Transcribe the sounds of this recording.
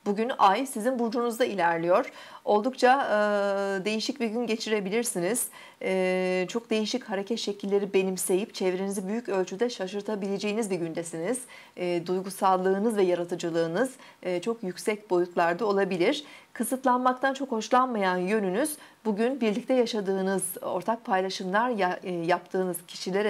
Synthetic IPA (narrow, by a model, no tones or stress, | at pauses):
buɟynajsizinbuɾd͡ʒunuzd̪ailʲæɾlʲijo̞ɾ̥o̞lˠd̪ukt͡ʃʰa | d̪e̞jiʃic̚biɟynɟe̞t͡ʃʰiɾe̞bilʲiɾsiniz̥ | ɛt͡ʃʰo̞k̚d̪e̞jiʃichaɾe̞cʰɛt̪ʃe̞cʰilʲːe̞ɾibe̞nimse̞jip̚t͡ʃʰevɾenizibyjycø̞lʲt͡ʃʰyd̪ɛʃaʃɯɾt̪ʰabilʲe̞d͡ʒe̞jinizbiɟynd̪ɛsiniz̥ | d̪ujɡusalˠːɯːnɯzvɛjaɾat̪ʰɯd͡ʒɯlˠɯːnɯz̥ | t͡ʃʰo̞kjycsɛc̚bo̞jut̪lˠaɾd̪ao̞lˠabilʲiɾ̥kʰɯsɯt̪lˠanmak̚t̪ʰant͡ʃʰo̞kho̞ʃlˠanmajanjø̞nynyz̥buɟynbiɾlʲic̚t̪ʰɛjaʃad̪ɯːnɯzo̞ɾt̪ʰak̚pʰajlˠaʃɯmlˠaɾjjap̚t̪ʰɯːnɯz̥cʰi̥ʃilʲeɾ